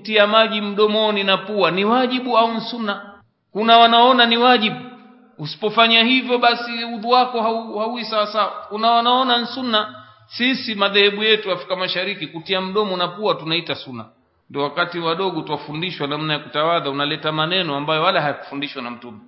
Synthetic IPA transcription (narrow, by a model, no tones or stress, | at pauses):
tiamaʄim̩ɗɔmɔninapuaniwaʄiɓuaun̩sunːa | kunawanaɔnaniwaʄiɓu | usi̥pɔfaɲahivjɔɓasiuðuwakɔhauhauisawasawakunawanaɔnan̩sunːa | sisimaðɛhɛɓujɛtuwaːfɾikamaʃaɾikikutiam̩ɗɔmɔnapuatunaitasuna̰ | ndiɔwakatiwaɗɔɠɔtuafundiʃwanam̩najakutawaðaunalɛtamanɛnɔambajɔwalaɦajaku̥fundiʃwanam̩tumɔ